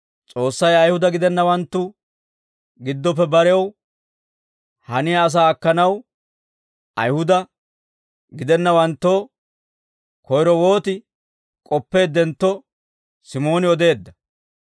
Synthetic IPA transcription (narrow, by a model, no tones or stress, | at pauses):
t͡sʼo̞ːsːɐjɐjhʊd̪ɐɡɪd̪ɛnːɐwɐnt̪ːʊ | ɡɪd̪ːɔp̬ːɛbɐɾɛw | hɐnɪjɐːs̬aːɐkːɐnɐw | ʔɐ̰jhʊd̪ɐ | ɡɪd̪ɛnːɐwɐnt̪ːoː | kɔjɾɔwo̞ːt̪ɪ | kʼɔpːe̞ːd̪ɛnt̪ːɔ | sɪmo̞ːnɪɔd̪e̞ːd̪ːɐ